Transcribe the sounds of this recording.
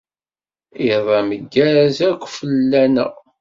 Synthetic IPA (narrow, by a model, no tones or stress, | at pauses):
iðˤɑməɡːæɾæzækʷːfəlːænə̰ʁ